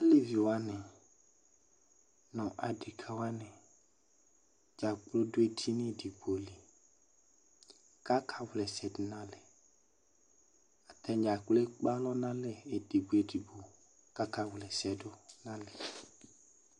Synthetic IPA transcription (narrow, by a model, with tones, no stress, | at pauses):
a˨˦le˦vi˨wa˦nɪ̃˨ | nɔ̃˨ʔa˨di˨kʰa˨wa˦nɪ̃˨ | d͡ʒa˨k͡plo˦dʊ˦e˦di˦nɪ˦˨di˨ɡ͡bo˨li˨ | ka˦kʰa˨wlɛ˨sɛ˨dʊ˨nã˦lɪ˨ | a˨t̪ɛ˦d͡ʒa˨k͡plo˦e˦k͡pa˦lɔ˦nã˦lɛ˦e˨di˨ɡ͡bu˨e˨di˨bo˨ | ka˦ka˨wlɛ˨sɛ˨dʊ˦nã˦lɪ˨